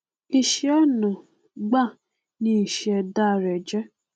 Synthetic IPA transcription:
i˦ʃɛ˦nɔ̃˨ | ɡ͡ba˦˨ | nĩ˦i˨ʃɛ˧da˦˧˨ɾɛ˨d͡ʒɛ˦

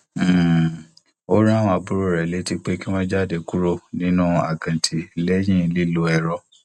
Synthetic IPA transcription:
m̩˦˨ | o˦ɾã˦˧a˧bu˦ɾo˦˨ɾɛ˨le˨˦ti˧k͡pe˦ki˦wɔ̃˦d͡ʒa˦˨de˧ku˦ɾo˦nĩ˦nũ˦a̰˨ɡã˨tʰi˨lɛ˦jĩ˦˨˦li˦lo˧˦ɛ˧˨ɾɔ˧˦

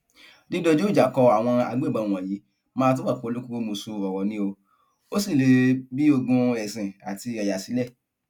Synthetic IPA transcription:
di˦do˦˧d͡ʒo˦˨d͡ʒa˨kɔ˧a˨w̃ɔ̃˧a̰˧ɡ͡be˦˨a˧˦˨w̃ɔ̃˨ji˨˦ | mãː˦˧t̬u˦a˦˨k͡po˧lo˦ku˦k͡po˦mo˧so˧ɔ˨wɔ˨nĩ˦o˧ | o˦si˦˨le˨˧bi˦o˧ɡũ˧ɛ˨sĩ˨a˨ti˧a˨ja˨si˨˦lɛ˦˨

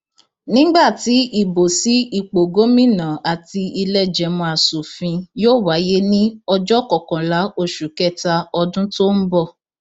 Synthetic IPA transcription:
nĩ˦ɡ͡ba˦˨ti˨˦i˦˨bo˨si˨˦i˨k͡po˨ɡo˨˦mĩ˦nã˨a˨ti˧i˧lɛ˦˨d͡ʒɛ˨˦mɔ̃˧a˨su˨fĩ˧joː˦˨wa˨˦je˦nĩ˦ɔ˧d͡ʒɔ˦˨kɔ˨kɔ̃˨la˨˦o˦˨ʃu˨kɛ˦˨ta˧ɔ˧dũ˦to˦n̩˦bɔ˦˨

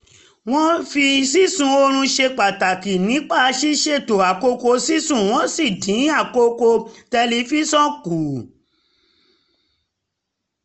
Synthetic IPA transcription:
w̃ɔ̃˦fi˧si˦sũ˧o˧ɾ̃ũ˧ʃe˧k͡pa˨ta˨ki˨nĩ˨˦k͡pa˦˨˦ʃi˦ʃe˧˨to˨a˨ko˧ko˧si˦sũ˦˨w̃ɔ̃˦si˦˨dĩ˨˦a˦˨ko˧ko˧tɛ˧li˧˦fi˦sɔ̃˦ku˨

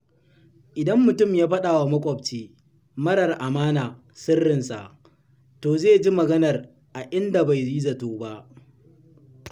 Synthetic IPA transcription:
ʔɪ˨dɐ˦mːʊ˨tʊ˦˨mjaː˦ɸɐ˦ɗaː˨wa˨mɐ˦kʷʼɔ˨b̚t͡ʃeː˦ | mɐ˦ɽɐ˨rʔa˨maː˦naː˨ | sɪ˦rːɪ˨nsa̰˨ʔ | toː˨zeː˦˨d͡ʒi˦mɐ˨ɡɐ˦nɐ˨r | ʔa˨ʔɪ˦nda˨ba˨jziː˦zɐ˨toː˦ba˦ʔ

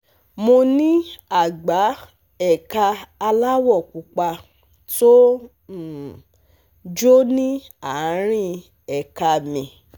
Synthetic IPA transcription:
mo˧nĩ˦a˦˨ɡ͡ba˨˦ | ɛ˦˨ka˧a˧la˦wɔ˦˨ku˨k͡pa˧ | to˦˨ | d͡ʒo˦nĩ˦ | a˨˦ɾ̃ĩ˦ | ɛ˨ka˧mĩ˨

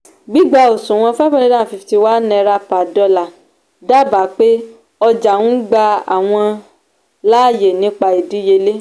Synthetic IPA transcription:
ɡ͡bi˦ɡ͡ba˧˨o˨sũ˨w̃ɔ̃˧˦fɛ˦fɛ˦ĩ˦dã˦˨fi˧fti˧wa˦nɛ̃˧ɾa˧pa˨dɔ˧la˨ | da˦˨ba˨˦k͡pe˦ | ɔ˧d͡ʒa˨wũ˦ɡ͡ba˧a̰˨w̃ɔ̃˧ | la˦˨je˨nĩ˨˦k͡pa˧i˨di˨˦je˧le˦

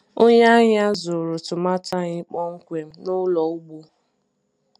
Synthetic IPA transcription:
o˦ɲa˦ɲɪ˦a˦zʊ˨ɾʊ˨tʊ˨ma˦ta˦ɲɪ˦k͡pɔ˦ŋ̩˦kʷe˨m̩˦nʊ˦lɔ˨u˦ɡ͡bu˦

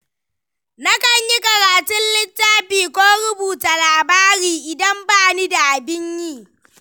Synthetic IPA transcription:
na˦kɐ˨ɲji˦kɐ˨ɾaː˨tʊ˦nlɪ˦tːaː˦ɸiː˨kʷoː˦ɽʊ˦buː˨ta˨laː˨baː˦ɾiː˨ʔɪ˨dɐ˦mbaː˦ni˦da˨ʔa˨bɪ˦ɲjiː˦

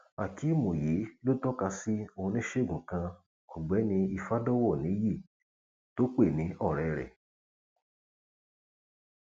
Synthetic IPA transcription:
a˨kʰi˨˦mõ˨ji˨˦lo˦tɔ˦ka˧si˦o˧hũ˧nĩ˦ʃe˦˨ɡũ˨kã˧ | u˨ɡ͡bɛ˨˦nĩ˧i˧fa˦dɔ˦wɔ˦˨nĩ˨˦ji˦˨ | to˦k͡pe˦˨nĩ˨˦ʔɔ˦˨ɾɛ˨ɾɛ̰˨

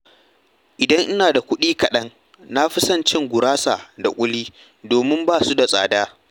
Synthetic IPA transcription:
ʔɪ˨dɐ˦ŋʔɪ˦naː˨da˨kʷʊ˦ɗiː˦kɐ˨ɗɐ˦ŋ | na˦ɸɪ˦sɐ˦˨nt͡ʃɪ˦ŋɡʷʊ˨ɾaː˦sa˨da˨kʷʼʊ˦liː˦ | doː˨mɪ˦mbaː˦˨su˦da˨sʼaː˨daː˦

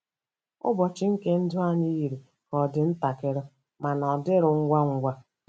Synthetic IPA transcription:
ʊ̰˦bɔ˨t͡ʃɪ˦ŋ̩˦ke˦n̩˦dʊ˦a˦ɲi˦i˨ɾi˨ | kɔ˨dɪ˨n̩˦ta˨kɪ˦ɾɔ˦ | ma˨nɔ˨dɪ˦ɾʊ˨ŋ̩˦ɡʷa˦ŋ̩˦ɡʷa˦

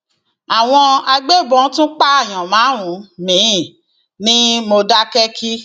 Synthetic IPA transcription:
a˨w̃ɔ̃˧a˧ɡ͡be˦˨bɔ̃˧˦tũ˦k͡pa˦a˦˨j̃ã˨mãː˨˦wũ˨˦mĩ˨˦˨ | nĩ˦mo˧da˦kɛ˦kʰi˦

